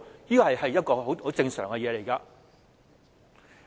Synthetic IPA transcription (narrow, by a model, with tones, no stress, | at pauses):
jiː˥kɔː˧hɐ˨jhɐ˨jːɐ˥t̚kɔː˧ɦo˨˥who˨˥t͡sɪ˧ŋsœ̰ː˨˩ŋkɛ˧jɛː˨˧le˨˩jka˧